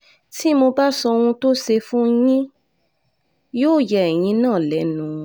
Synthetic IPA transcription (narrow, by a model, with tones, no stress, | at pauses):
ti˦mo˧ba˦sɔ˧wũ˧to˦ʃe˧fũ˦jĩ˦ | joː˦˨jɛ˨ɛ˨j̃ĩ˧nãː˦˨lɛ˨˦nũ˨